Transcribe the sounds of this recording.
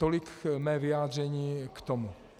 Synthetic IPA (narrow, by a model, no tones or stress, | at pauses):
t̪olikmɛvɪaːd̪r̝ɛɲiːkt̪ɔmu